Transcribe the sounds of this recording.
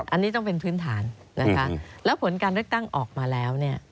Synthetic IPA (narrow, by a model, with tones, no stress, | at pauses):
ʔa˧nːiː˦˥t̪ɔ˥˩ŋpe˧npʰɯː˦˥nt̪ʰaː˩˦nː | a˦˥kʰa˦˥lɛː˦˥wpʰo˩˦nkaː˧nlɯ˥˩ək̚t̪a˥˩ŋʔɔː˨˩k̚maː˧lɛː˦˥wni˥˩ɐ